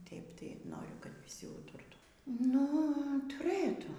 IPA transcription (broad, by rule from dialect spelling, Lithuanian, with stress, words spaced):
ˈtʲeːɪp tɐɪ ˈnoːrʲʊ kɐt ʋʲɪˈsʲɪ ˈuːtʊrtuː ˈnʊ tʊˈrɘtuː